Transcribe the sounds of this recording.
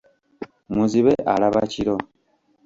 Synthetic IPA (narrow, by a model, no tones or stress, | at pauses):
muziβeʔalaβaciɾo̞